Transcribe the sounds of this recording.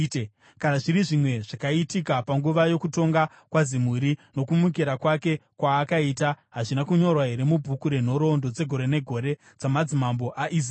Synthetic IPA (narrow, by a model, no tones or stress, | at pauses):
kanaʐiɾiʐimwe̞ʐakaitikapaŋɡuʋajo̞kuto̞ŋɡa | kwazim̤uɾino̞kumuk̬iɾakwake̞kwaːkaitaɦaʐinakuɲo̞rwaɦe̞ɾe̞mubʱukuɾe̞n̤o̞ɾo̞ndo̞d͡ze̞ɡʱo̞ɾe̞ne̞ɡʱo̞ɾe̞ | d͡zamad͡zimambo̞ʔaʔiz